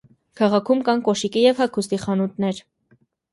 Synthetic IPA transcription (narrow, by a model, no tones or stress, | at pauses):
kʰɑʁɑkʰumkɑnkɔʃikijɛvhɑkʰust̪iχɑnut̪nɛɾ